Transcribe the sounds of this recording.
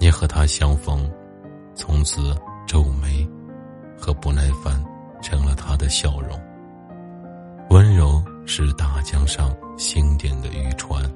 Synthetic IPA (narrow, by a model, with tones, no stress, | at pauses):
ni˧˥xɤ˧˥t̪ʰa˥ɕjɑ˥ŋfɤ˧˥ŋ | t͡sʰʊ˧˥ŋt͡sʰɹ̩˧˩ʈ͡ʂo˥˩ʊme˧˥ɪ | xɤ˧˥pu˧˥na˥˩ɪfa˥n | ʈ͡ʂʰɤ˧˥ŋlə˨t̪ʰa˥d̪ə˨ɕjɑ˥˩ʊɻʊ̰˧˥ŋ | wə˥nɻo˧˥ʊ | ʂɻ̩˥˧t̪a˥˩t͡ɕjɑ˥ŋʂɑ˥˧ŋɕi˥ŋt̪jɛ˨˩ŋd̪ə˩y˥˩ʈ͡ʂʰwa˥n